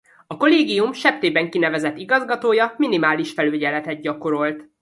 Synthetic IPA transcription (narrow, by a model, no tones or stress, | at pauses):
ɒko̞leːɡijumʃɛp̚t̪eːbɛŋkinɛvɛzɛt̪ːiɡɒzɡɒt̪oːjɒminimaːliʃfɛløːɟɛlɛt̪ɛd̪̚ɟɒko̞ɾo̞lt̪